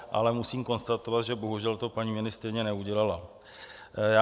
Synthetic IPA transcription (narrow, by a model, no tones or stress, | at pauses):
ʔa̰lɛmusiːmko̞nst̪at̪o̞vat̪ʒɛbo̞ɦuʒɛlt̪o̞paɲiːmɪnɪst̪ɛjɲɛnɛuɟɛlala | jaː